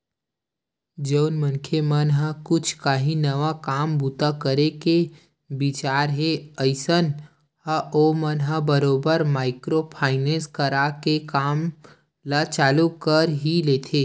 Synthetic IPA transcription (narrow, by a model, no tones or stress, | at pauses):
d͡ʒəʊnmə̃nkʰemənɦakʊt͡ʃʰkaɦinɐʋakaːmbuːt̪akəɾeke | bɪt͡ʃaːɾɦeəɪsən | haomənɦabəɾoːbəɾmaːɪkɾopʰaːɪnẽːnskəɾakekaːm | lat͡ʃaːlukəɾɦileːt̪ʰeː